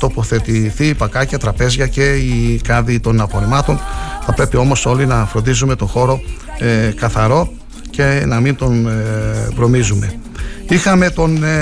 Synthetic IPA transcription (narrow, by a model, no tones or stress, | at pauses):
t̪o̞po̞θe̞t̪iθiːpɐkɐcɐt̪ɾɐpe̞zʝɐce̞ikɐðit̪o̞nɐpo̞ɾemɐt̪o̞nθɐpɾe̞pio̞mo̞so̞linɐfɾo̞nd̪izume̞t̪o̞xo̞ɾo̞ | ekɐθɐɾo̞ | ce̞nɐmint̪o̞n | vɾo̞mizume̞ | ixɐme̞t̪o̞n